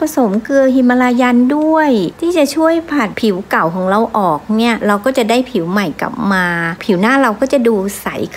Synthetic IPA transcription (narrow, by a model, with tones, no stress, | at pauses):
pʰa˧so˨˩˦mkɯ˧əhi˧mːa˧laː˧jaː˧ndu˥˩əjt̪ʰiː˥˩t͡ɕa˨˩t͡ɕʰu˥˩əjpʰa˨˩t̪̚pʰi˨˩˦wka˨˩wkʰɔː˩˦ŋɾa˧wʔɔː˨˩k̚ni˥˩ɐɾa˧wkɔː˥˩t͡ɕa˨˩daː˥˩jpʰi˩˦wma˨˩jka̰˨˩p̚maː˧pʰi˨˩˦wnaː˥˩ɾa˧wkɔː˥˩t͡ɕa˨˩duː˧sa˨˩˦jkʰ